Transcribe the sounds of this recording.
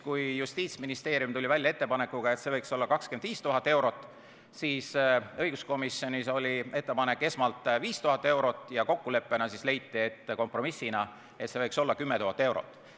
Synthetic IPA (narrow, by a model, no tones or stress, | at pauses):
kujjust̪iːt̪sminist̪e̞ːɾjumt̪ulʲivælʲjɑe̞t̪ːe̞pɑne̞kːˑuɡ̥ɑe̞t̪se̞vɤjkso̞lːɑkɑkskend̪viːst̪uɦɑt̪ːˑe̞wɾo̞t̪ˑː | siːsɤ̞jɡ̥usko̞misjo̞niso̞lʲie̞t̪ːe̞pɑne̞kːˑe̞smɑlt̪ˑviːst̪uɦɑt̪ːˑe̞wɾo̞t̪ːˑjɑko̞kːule̞pˑːe̞nɑsisle̞jt̪ːie̞t̪ːko̞mpro̞misːinɑ | e̞t̪se̞vɤjkso̞lːɑkymːet̪uɦɑt̪ːˑe̞wɾo̰t̪ːˑ